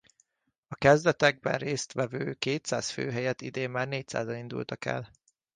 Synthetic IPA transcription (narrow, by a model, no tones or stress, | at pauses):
ɒkɛzd̪ɛt̪ɛɡ̚bɛ̰nreːst̪ʋɛvøːkeːt̪sa̰ːsfø̰ːɦɛjɛt̪id̪eːmːaːrneːc̚sa̰ːzɒnind̪ṵlt̪ɒkɛ̰l